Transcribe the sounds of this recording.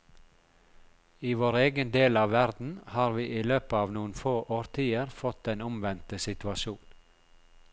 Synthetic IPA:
iːʋoːɾeːɡənd̪eːlɑːʋʋæɾd̪n̩hɑːɾʋiːʔiːløːpəɑːʋnuːn̩foːʔoːɾt̪ʰiːəɾfɔt̪eːnʊmʋɛnt̪əsɪt̪ʋɑʃuːn

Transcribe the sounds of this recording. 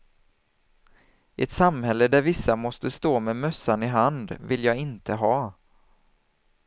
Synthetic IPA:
ʔɛt̪samhɛlːəd̪æɾvɪsːamɔst̪əst̪oːmemœsːanɪɦand̪vɪljɑːɡɪnt̪ʰəɦɑː

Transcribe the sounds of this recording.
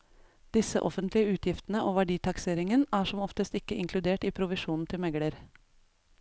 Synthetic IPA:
d̪̥ɪsə̰ʔɔfənt̪lɪəʉːt̪ʰjɪft̪n̩əʔoːʋæɖiːt̪ʰɑkseːɾɪŋənæːʂɔmɔft̪əst̪ɪkəʔɪŋkʰlʉd̪eːʈiːpʰɾʊʋɪʃuːnn̩t̪ʰɪlmɛɡɽəɾ

